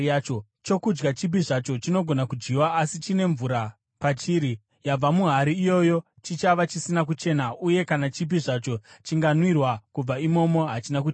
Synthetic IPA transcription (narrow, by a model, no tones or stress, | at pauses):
t͡ʃo | t͡ʃo̞kud͡ʒɡat͡ʃip̬iʐat͡ʃo̞t͡ʃino̞ɡʱo̞nakud͡ʒɡiwaːsit͡ʃine̞ɱvuɾa | pat͡ʃiːɾi | jab͡vamuɦaɾiːjo̞jo̞ | t͡ʃit͡ʃaʋat͡ʃisinak̬ut͡ʃe̞naʔuje̞kanat͡ʃip̬iʐat͡ʃo̞t͡ʃiŋɡanwirwakub͡vaimo̞mo̞ɦat͡ʃinak̬ut͡ʃː